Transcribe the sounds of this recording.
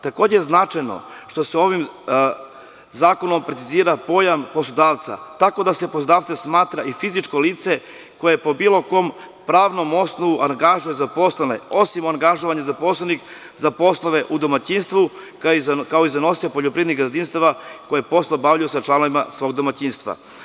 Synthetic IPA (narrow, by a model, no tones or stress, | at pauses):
t̪ako̞ːd͡ʑejeznat͡ʂajno̰ʃt̪o̞seo̞ʋim | zaːko̞nompɾet̪siziːɾapo̞jamposlˠod̪aːʋt̪sa̰t̪ako̞d̪ase̞poslo̞d̪aːʋt̪sesmaːt̪ɾaʔifizit͡ʂko̞liːt̪se̞ | ko̞jepo̞biːlˠo̞ko̞ːm | pɾaːʋno̞mo̞snoʋuʔaŋɡaʒujezapo̞slenḛo̞simoaŋɡaʒoʋaɲezapo̞slˠenik | zapo̞slˠoʋeʔud̪o̞mat͡ɕiːnst̪ʋu | kkaoizano̞siepo̞ʎopɾied̪niɡazd̪inst̪aʋako̞jepo̞slˠobaʋʎujusat͡ʃlˠanoʋimasʋo̞ːɡ̚d̪o̞mat͡ɕinst̪ʋa̰